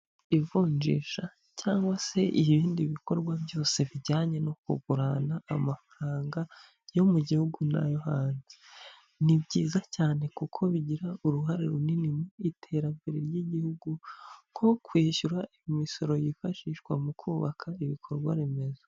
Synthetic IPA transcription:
ivuːɲd͡ʒḭːʃa | caːŋɡwase̞iβiːndiβiko̞ɾɡwabjo̞ːse̞βiɟaːɲe̞no̞kuɡuɾanaːmafaɾaːŋɡa | jo̞muɟihuɡuna̰johaːnze | nibɟiːzacaːne̞kukʰo̞βiɟiɾauɾuɦaɾeɾuninimuitʰe̞ːɾambeɾeɾjiɟihuɡuŋkʰo̞kwiːʃuɾaijimiso̞ɾo̞jifaʃiːʃkwamukʰuːβakʰaiβikʰo̞ɾɡwa̰ɾeme̞zo̥

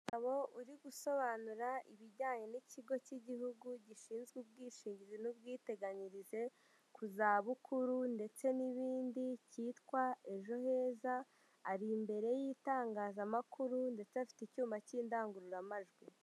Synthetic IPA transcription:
aβo̞ʔuɾiɡuso̞βanuɾaiβiɾɟaːɲe̞niciɡo̞ciɟiɦuɡuɟiʃiːnzɡub̚ɡiːʃiːɲɟizenubɡiːte̞ɡaɲiɾize̞ | kuzaːβukʰuɾunde̞t͡se̞niβiːndiciːtkwae̞ʒo̞he̞ːzaː | ɾimbe̞ɾe̞jiːtaːŋɡaːzamakʰuɾunde̞t͡seafi̥ticuːmbaciːndaːŋɡuɾuɾamaʒɡwi

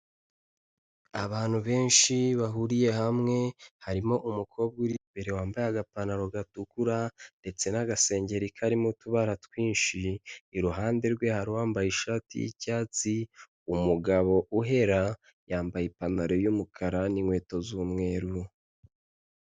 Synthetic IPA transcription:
aβaːn̥huβe̞ːnʃiβaɦuɾije̞hamŋe̞haɾimo̞ʔumukʰo̞ːb̚ɡuɾibe̞ɾewaːmbajaɡapanaɾo̞ɡatukuɾande̞t͡se̞naɡase̞ːɲɟe̞ɾikʰaɾimutuβaɾatwiːnʃiːɾuɦaːnde̞ɾɡwe̞haɾiwaːmbajiʃatḭjḭcaːt͡si | umuɡaβo̞ʔuɦe̞ɾa | jaːmbajipanaɾo̞jumukʰaɾaniŋwe̞ːto̞zumŋe̞ːɾu

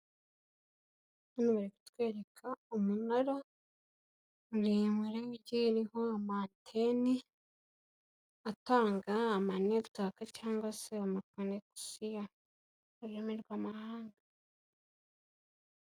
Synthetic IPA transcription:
unuβaɾiki̥tkweːɾekʰaumunaɾo | ɾimiɾeɟiɾihoamantʰeni | ataːŋɡaːmaneβu̥takacaːŋɡwaseamakoneku̥sijaː | ɾemiɾɡwamahaːŋɡa

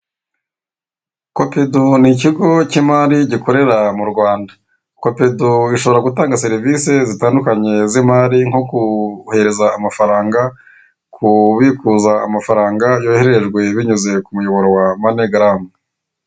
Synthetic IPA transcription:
ko̞peduniciɡo̞cimaɾiɟiko̞ɾe̞ɾamuɾɡwaːnda | ko̞peduiʃo̞βo̞ɾaɡutaːŋɡaseɾivise̞zitaːndukaɲe̞zimaːɾiŋhokuhe̞ɾe̞zaːmafaɾaːŋɡa | kʰuβikuzaːmafaɾaːŋɡajoːheɾeeʒɡwe̞βiɲuze̞kumujo̞βo̞ɾo̞wamaneɡaɾame

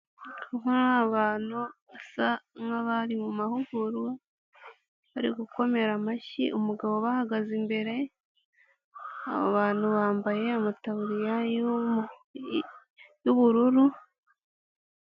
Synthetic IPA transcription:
uɦonaaaβaːnuβasaŋaβaɾimumahuɡuɾwe | βaɾḭɡuko̞me̞ɾamaʃḭʔumuɡaβo̞βahaɡazimbe̞ɾe̞ | a̰β̰βaːn̥huβaːmbaje̞amataβuɾija | juβuɾuɾu

